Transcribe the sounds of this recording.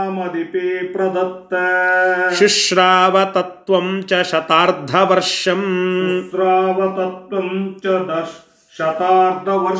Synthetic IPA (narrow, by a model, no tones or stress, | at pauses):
mɐd̪ipiːpɾɐd̪ɐt̪ːɐːʃiʂɾaːʋɐt̪ɐt̪ʋɐmt͡ʃɐʃɐt̪aːɾd̪ʱɐʋɐɾʂjɐm | ɾaːʋɐt̪ɐt̪ʋɐmt͡ʃɐd̪ɐʃ | ʃɐt̪aːɾd̪ʱɐʋɐ